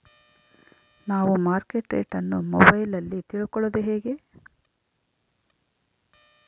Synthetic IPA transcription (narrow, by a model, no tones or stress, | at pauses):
naːʋumaːɾkeʈːḛʈɐnːumɔ̰bɐjlɐlːit̪iɭukɔɭoːd̪eɦeːɡe̞